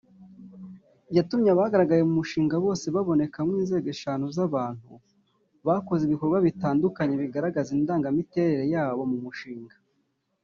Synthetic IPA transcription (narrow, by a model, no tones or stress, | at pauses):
jatumɲaβahaɡaɾaɡaje̞mumuʃiːŋɡaβo̞ːse̞βaβo̞ne̞kamŋwiːnze̞ːɡe̞ʃaːn̥ozaβaːn̥hṵ | βako̞zeiβikoɾɡwaβitaːndukaɲe̞βiɡaɾaɡazindaːŋɡamite̞ːɾe̞ɾe̞jaːβomumuʃiːŋɡa